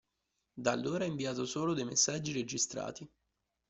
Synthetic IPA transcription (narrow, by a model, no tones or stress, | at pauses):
d̪a̰lːoːɾaiɱviaːt̪osoːlod̪ejmesːad͡ʒːiɾed͡ʒist̪ɾa̰ːt̪i